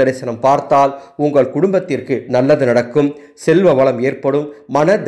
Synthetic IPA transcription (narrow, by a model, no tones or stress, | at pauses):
ɐɾɐɪsɐnɐmpaːɾt̪aːlʊŋɡɐɭkʊɽʊmbɐt̪ːɪrkɯnɐlːɐðɯnɐɽɐkːɯm | sɛlʋɐʋɐɭɐmeːrpɐɽɯmːɐnɐd̪